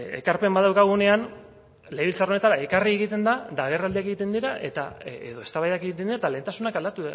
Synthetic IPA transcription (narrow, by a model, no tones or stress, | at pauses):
e̞̰kaɾpe̞mbat̪ðawkaɣ̞une̞an | le̞βilt͡saro̞ne̞t̪aɾaekarie̞ɣit̪e̞nd̪ad̪aβerald̪iakeɣit̪e̞nd̪iɾaʔe̞̰t̪aḛðo̞e̞st̪aβajakeɣit̪end̪iɾat̪alent̪asunakald̪at̪u